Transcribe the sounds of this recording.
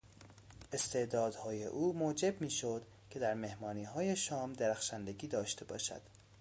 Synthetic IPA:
ʔe̞st̪ʰe̞ʔd̪ɒːd̪hɒːjḛʔuːmoːd͡ʒe̞bmiːʃod̪̥ | cʰe̞d̪æɾme̞hmɒːniːɦɒːje̞ʃɒːmd̪eɾæxʃænd̪e̞ɟʲiːd̪ɒːʃt̪e̞bɒ̰ːʃæ̰d̪̥

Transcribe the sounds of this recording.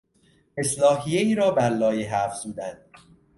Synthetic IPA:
e̞slɒːɦijeiːɾɒːbæɾlɒːjiɦæfz̥uːd̪ænd̪̥̚

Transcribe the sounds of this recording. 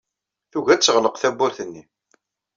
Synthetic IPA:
θuʝæt͡sːəʁləqθæbːʊɾθənːi

